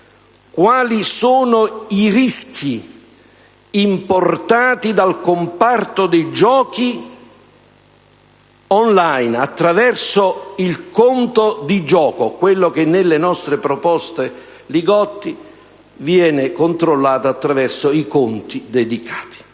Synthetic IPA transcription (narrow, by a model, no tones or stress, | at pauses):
kwaːlisoːnoiriskʰi | import̪aːt̪id̪alkompart̪od̪ejd͡ʒɔːki | ɔnlajnat̪ːɾavɛrsoilkont̪od̪id͡ʒɔːkokwelːok̟enːelːenɔst̪ɾepɾopɔst̪e | liɡɔt̪ːi | vjɛːnɪkont̪ɾolːaːt̪oat̪ːɾavɛrsoikont̪id̪ed̪ikʰḁːt̪i̥